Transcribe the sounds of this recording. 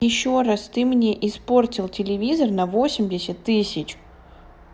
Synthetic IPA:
jɪɕːoɾast̪ɨmnʲeʔɪspo̞rtʲɪlˠtʲɪlʲɪvʲizərnɐvo̞sʲɪmʲdʲɪsʲət̪ːɨsʲɪt͡ɕ

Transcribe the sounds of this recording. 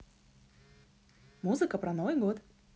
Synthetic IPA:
muzɨkəpɾɐnovɨjɡot̪

